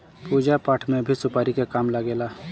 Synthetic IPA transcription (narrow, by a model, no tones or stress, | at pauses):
puːd͡ʒapaːʈʰmẽbʱisʊpaːɾikekaːmlaɡeːlaː